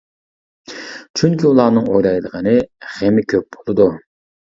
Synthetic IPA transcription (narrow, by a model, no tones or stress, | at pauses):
t͡ʃʰyŋkʲʰiulˠɑːnɨŋojlˠɑjd̪əʁɑnɨχemɪkʲʰøp̚bolˠɨd̪u